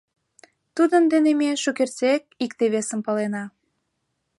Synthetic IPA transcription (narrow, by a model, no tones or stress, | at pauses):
t̪ud̪ənd̪enemeʃokert͡sek̚ikt̪eβesəmpɑlenɑ